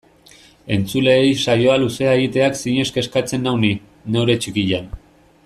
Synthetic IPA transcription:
e̞nt͡sule̞ːjsajo̞aluse̞aeɣit̪e̞aksiɲe̞ske̞skat͡se̞nːawni | ne̞wɾe̞t͡ʃikiʎan

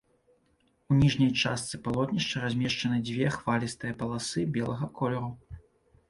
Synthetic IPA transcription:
unʲiʐnʲɐjt͡ʂast̪sɨpalˠɔt̪nʲiʂt͡ʂɐɾazʲmʲɛʂt͡ʂɐnɨd͡zʲvʲɛxvalʲist̪ɨjɐpɐlˠasɨbʲɛlˠɐɣɐkʰɔlʲɛɾu

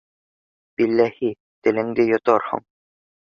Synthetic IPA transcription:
b̥ilːæhi | t̪ɘ̆lɘ̆ŋd̪ɘjŏt̪oɾhɤ̰ɴ

